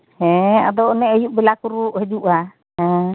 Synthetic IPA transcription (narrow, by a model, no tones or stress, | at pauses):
hɛ̃a̰d̪ɔɔnɛəjuʔbɛlakuɾuʔɦɛd͡ʒuʔa | ɦɛ